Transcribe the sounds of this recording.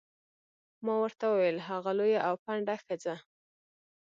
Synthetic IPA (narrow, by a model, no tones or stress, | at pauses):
mɑwəɾt̪awəwjəlɦaɣalojaʔawpaɳɖaxɪd͡za